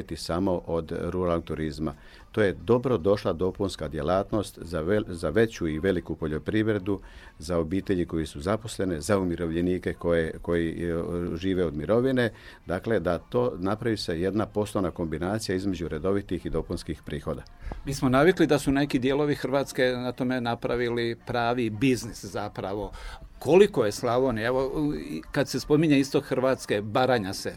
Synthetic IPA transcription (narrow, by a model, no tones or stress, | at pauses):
t̪isamo̞ʔod̪ɾuɾalnoɡ̚t̪uɾizma | t̪o̞ːje̞d̪o̞bɾo̞d̪o̞ʃlad̪o̞punskad̪je̞laːt̪no̞st̪zazaʋe̞t͡ɕuiʋe̞likupo̞ʎo̞pɾiʋɾe̞d̪u | zao̞biːt̪e̞ʎiko̞jisuzapo̞sle̞ne̞zaumiɾo̞ʋʎe̞niːke̞kojeko̞ji | ʒiːʋe̞od̪miɾo̞ʋine̞ | d̪akle̞d̪at̪o̞ːnapɾaʋise̞je̞d̪napo̞sonako̞mbinaːt̪sijaizmed͡ʑuɾe̞d̪o̞ʋit̪ixid̪o̞ponskixpɾiːxo̞d̪a | miːsmonaʋiklid̪asune̞kid̪jeːlˠo̞ʋixr̩ʋaːt̪ske̞nat̪o̞me̞napɾaʋilipɾaːʋibizniszapɾaʋo̞ | ko̞liko̞je̞slˠaʋo̞nie̞ʋokad̪se̞spo̞miɲeist̪o̞kxrʋaːt̪ske̞baɾaɲase̞